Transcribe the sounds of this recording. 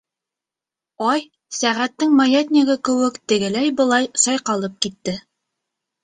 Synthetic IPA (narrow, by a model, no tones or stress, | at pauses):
ɑj | sæʁæt̪ːɘŋmɑjet̪ʲnʲɪɣɘkɘ̆wɘkt̪ɘ̆ɡɘ̆læjbɤ̆lˠɑjsɑjqɑlˠɤp̚kit̪ːɘ